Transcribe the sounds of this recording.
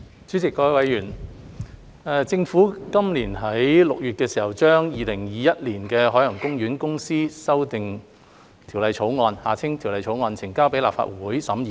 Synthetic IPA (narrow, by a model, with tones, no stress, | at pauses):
t͡ʃyː˨˥t͡sɪ˨kːɔː˧wɐ˨˧jɥyː˨˩n | ɛ˨˧t͡sɪ˧ŋfuː˨˥kɐ˥mliː˨˩nɦɐ˨˥jlʊ˨k̚jyː˨t̚kɛː˧siː˨˩hɐ˨˩wt͡ʃœː˥ŋjiː˨˧lɪ˨˩ŋjiː˨jɐ˥t̚liː˨˩nkɛː˧ɦɔː˨˥jɐ˨˩ŋkʊ˥ŋɥyː˨˥nkʊ˥ŋsiː˥sɐ˥wt̪ɪ˨ŋ | t̪ʰiː˨˩wlɐ˨˧jt͡ʃʰo˨˥wŋɔː˧nhaː˨˩t͡sʰɪ˥ŋt̪ʰi˨˩wlɐ˨˧jt͡ʃʰo˨˥wŋɔː˧nt͡sʰɪ˨˩ŋkaː˥wpe˨˥jlaː˨p̚fa̰ː˧˨t̚wuː˨˥jsɐ˨˥miː˨